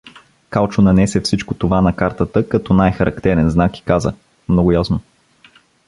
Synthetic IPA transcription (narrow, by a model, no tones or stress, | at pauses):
kalˠt͡ʃʊnɐnɛsɛfsit͡ʃkot̪ovanɐkaɾt̪ət̪əkɐt̪ɔnajxɐɾʔɐ̰kt̪ɛɾɛnznaki̥kazə̰ | mnoɡʊjasno